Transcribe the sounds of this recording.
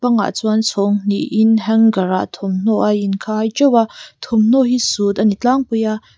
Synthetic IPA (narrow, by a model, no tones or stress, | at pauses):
pɐŋa̰t͡suant͡sʰɔŋn̥ḭʔʔinɦɛŋɡɐɾa̰ʔt̪ʰɔmn̥ɔʔajinkʰaːjt͡ʃɔwat̪ʰɔmn̥ɔʔɦisut̪ɐnit͡ɬaŋpəjaʔ